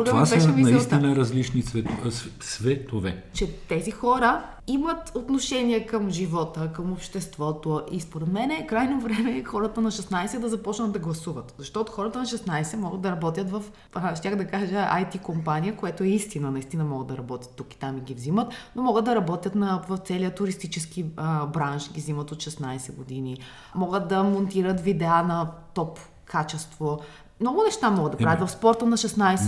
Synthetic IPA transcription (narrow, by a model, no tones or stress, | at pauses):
ɡ̪vasbɛʃɛvinɐist̪inəɾɐzlit͡ʃnisvɛt̪svɛt̪ovɛ̰t͡ʃɛt̪ɛzixɔɾə | imət̪ot̪noʃɛniɛkəmʒivɔt̪əkəmopʃt̪ɛst̪vɔt̪oʔispoɾɛt̪mɛnɛkɾajnovɾɛmɛxɔɾət̪ənɐʃɛsnajsɛd̪ɐzɐpɔt͡ʃnɐd̪ɐɡlˠɐsuvət̪zɐʃt̪ɔt̪oxɔɾət̪ənɐʃɛsnajsɛmɔɡəd̪d̪ɐɾɐbɔt̪ʲjət̪vɐf | ʃt̪ʲaxd̪ɐkaʒəajt̪ikompaniəkojɛt̪oɛist̪inənɐist̪inɐmɔɡəd̪ɐɾɐbɔt̪ʲjə̥t̪ːuki̥t̪amiɡʲivzimət̪nomɔɡəd̪̚d̪ɐɾɐbɔt̪ʲjət̪nɐvɐft̪sɛliət̪ʊɾist̪it͡ʃɛskibɾanʃɡʲivzimət̪ot̪ʃɛsnajsɛɡod̪ini | mɔɡət̪̚d̪ɐmont̪iɾət̪vid̪ɛanɐt̪ɔp | kʰat͡ʃɛst̪vo | mnɔɡʊnɛʃt̪amɔɡəd̪ɐpɾavjɐt̪vɐfspɔɾt̪ənɐʃɛsnajsɛ